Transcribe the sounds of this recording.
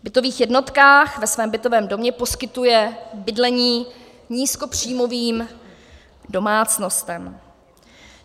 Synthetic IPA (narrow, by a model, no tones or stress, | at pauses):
bɪt̪o̞viːxjɛdno̞t̪kaːxvɛsvɛːmbɪt̪o̞vɛːmdo̞mɲɛpo̞skɪt̪ujɛbɪdlɛɲiː | ɲiːsko̞pr̝̥iːmo̞viːm | do̞maːt͡sno̞st̪ɛm